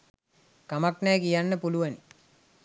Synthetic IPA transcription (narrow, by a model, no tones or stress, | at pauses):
kamaknajkijanːəpuluʋen